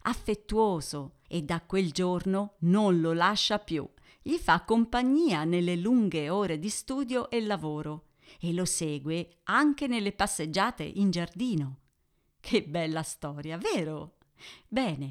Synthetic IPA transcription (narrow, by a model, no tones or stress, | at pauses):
afːet̪ːuoːzo | ed̪ːakweld͡ʒornononlolaʃːapjṵ | ʎifakːompaɲːiːanelːeluŋɡeoːɾed̪ist̪uːd̪joʔelːavoːɾo | elːosɛːɡwe | aŋk̟enelːepasːed͡ʒːaːt̪ḛʔind͡ʒard̪iːno | kʰebːɛlːast̪ɔːɾjavɛːɾo | bɛːne